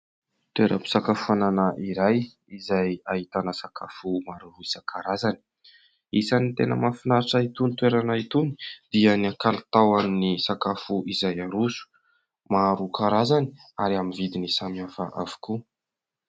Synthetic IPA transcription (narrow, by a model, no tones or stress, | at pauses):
t̪weɾʔə̰pi̥sakafuananaʔiɾaj | izajahit̪anəsakafumaɾuɾuisəkʰaɾazani̥ | isanit̪enə̰mafinaɾʈ͡ʂait̪unit̪weɾanait̪uni̥d̪̥iəniakalt̪awannisakafuʔizajaɾusu̥ | maɾukaɾazani̥aɾiaminvid̪inisamiafa̰ʔavu̥ku